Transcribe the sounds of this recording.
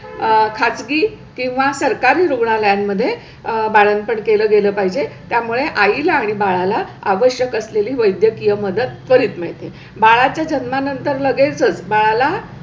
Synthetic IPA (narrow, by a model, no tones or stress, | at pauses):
kʰat͡sɡiː | kĩw̃ʋasəɾkaɾiːɾuɡɳaləjamːəd̪ʱːje | baɭən̚pəɳkeləːɡeləːpaɦid͡ʑet̪jamuɭeʔailaːɽ̃ibaɭalaaʋəɕjəkəsleliːʋəjd̪jəkijəməd̪əd̪kəɾiːt̪meɭt̪e | baɭat͡ɕjad͡ʑənmanənt̪əɾləɡet͡səːt͡sbaɭala